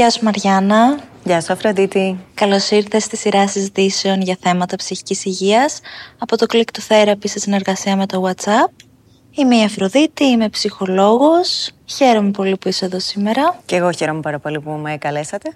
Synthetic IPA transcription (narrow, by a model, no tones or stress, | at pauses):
ʝɐsumɐɾʝɐnɐ | ʝɐsuɐfɾod̪it̪ikɐlo̞siɾθe̞st̪isiɾɐsizit̪ise̞o̞nʝɐθe̞mɐt̪ɐpsiçi̥cisiʝiɐsɐpo̞t̪o̞klikt̪oθe̞ɾɐpist̪esine̞ɾɣɐsiɐme̞t̪o̞wɐt̪sɐp̚ | imeiɐfɾo̞ðit̪iime̞psixo̞lo̞ɣo̞sçe̞ɾo̞me̞po̞lipuise̞ðo̞sime̞ɾɐceɣo̞çeɾomepɐɾɐpo̞lipumekɐlesɐt̪e̞